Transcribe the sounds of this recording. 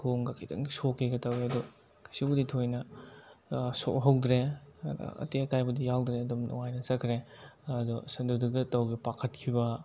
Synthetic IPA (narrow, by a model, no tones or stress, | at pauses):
kʰoŋɡakʰidɐ̰ŋisokeɡɐtɐweɐdu | kʰɐsibuditʰojnɐ | so̰ɦɐwdɾed̰ɐ̰teɐkʰajbɐdijawdɾeɐdumnɔ̰ŋajnɐsɐkʰɾe | ɐdusɐnduduɡɐtɐwɡipakʰɐt̚kʰibɐ